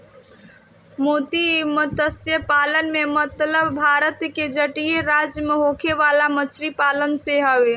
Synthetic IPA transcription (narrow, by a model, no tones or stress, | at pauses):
mot̪imət̪əsjəpalənmemət̪ləbbʱaɾət̪ked͡ʒəʈijeɾad͡ʒjəmeɦokʰeʋalamət͡ʃɾipalənseɦəʋe